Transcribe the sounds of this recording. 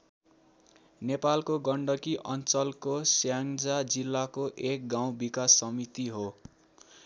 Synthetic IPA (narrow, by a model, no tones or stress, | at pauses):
nepalkoɡʌɳɖʌkiʔʌnt͡sʌlkosjaŋd͡zad͡zilːakoʔek̚ɡaw̃bikasːʌmit̪iɦo